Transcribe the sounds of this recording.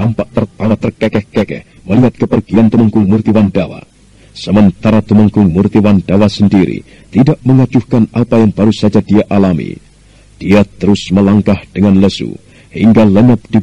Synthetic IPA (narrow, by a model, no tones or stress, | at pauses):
ampaʔt̪ərt̪awat̪ərkɛkɛhkɛkɛ̰h | məliɦat̪̚kəpərɡiant̪uməŋkʊŋmurt̪iwandawa̰ | səmənt̪aɾat̪uməŋkʊŋmurt̪iwandawasəndiɾḭ | t̪idaʔməŋad͡ʒuhkanapajaŋbaɾusad͡ʒadiaʔalamḭ | d̥iat̪əɾusməlaŋkahd̥əŋanləsṵ | hḭŋɡaləɲəp̚d̥i